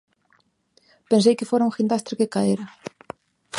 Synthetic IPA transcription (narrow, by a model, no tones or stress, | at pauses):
pẽnsejkɪfoɾaũŋxind̪ast̪ɾɪkekaeɾɐ